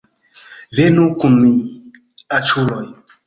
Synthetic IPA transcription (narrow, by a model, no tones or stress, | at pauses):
venukumi | at͡ʃuloj